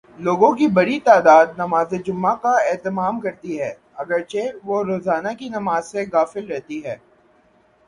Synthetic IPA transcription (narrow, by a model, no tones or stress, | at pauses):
loːɡõkibɐɽit̪aːd̪aːd̪̚nɐmaːzed͡ʒʊmːakaɛːt̪ɪmaːmkɐɾt̪iɦɛː | ɐɡəɾt͡ʃeʋoɾoːzaːnakinɐmaːzseɣaːfɪlɾɛɦt̪iɦɛː